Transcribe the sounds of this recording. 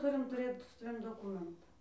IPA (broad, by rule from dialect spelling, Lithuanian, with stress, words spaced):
ˈtʊrʲɪm tʊˈrʲeːt sʊ sɐˈʋʲɪm doːˈkʊmʲɛntɑː